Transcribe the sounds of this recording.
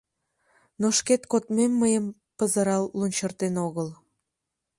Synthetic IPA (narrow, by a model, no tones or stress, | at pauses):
noʃket̪kot̪memːəjəm | pəzəɾɑlːunʲt͡ɕərt̪enoɣəl